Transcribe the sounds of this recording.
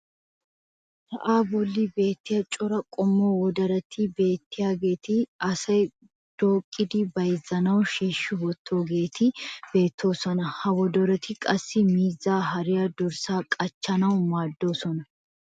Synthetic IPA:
t̪ɐ̰ʔaːbɔlːɪbe̞ːt̪ːɪjɐt͡ʃʼɔɾɐkʼɔmːoːwɔd̪ɐɾɐt̪ʰːɪbe̞ːt̪ːɪjaːɡe̞ːt̪ɪɐsɐj | d̪̥oːkʼːɪd̪ɪbɐjɪzɐnɐwʃeːʃːʊwɔt̪ʰːo̞ːɡe̞ːt̪ʰɪb̥e̞ːt̪ʰːo̞ːsɔnɐhɐwɔd̪ɔɾɐt̪ɪkʼɐsːɪmiːzaːɦɐɾɪjɐd̪ɔɾsaːkʼɐt͡ʃːɐnɐwʊmaːd̪ːo̞ːsɔnɐ

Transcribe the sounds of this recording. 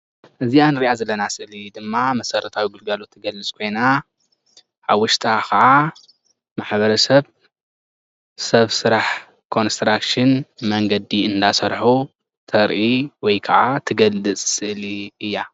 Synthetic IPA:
ʔɨzianɾiʔazɐlːɐnasɨʔlid̪ɨmːamɐsɐɾɐt̪ʰawiɡɨlɡalot̪ʰːɨɡɐlɨt͡sʼkʰo̞jna | ħaβwʊʃt̪ʼakʰɐʕa | maħbɐɾɐsɐβ | sɐβsɨɾaħ | kʰo̞nst̪ɾakʃɪnmɐŋɡɐd̪iɨnd̪asɐɾħu | t̪ʰɐɾʔiwɔjkʰɐʕat̪ʰɨɡɐlːɨt͡sʼsɨʔliɨjːa

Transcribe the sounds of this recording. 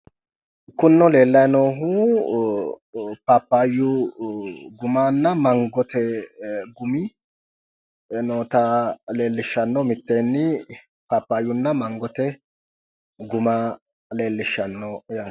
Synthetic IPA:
kʊnːɔle̞ːlːɐjnoːɦʊ | papːaːjʊ | ɡʊmaːnːɐmɐŋɡɔt̪ɛɡʊmɪ | noːt̪ɐle̞ːlːɪʃːɐnːɔmɪt̪ːeːnːɪ | papːaːjːʊnːɐmɐŋɡɔt̪ɛ | ɡʊmaː | le̞ːlːɪʃːɐnːɔjaː

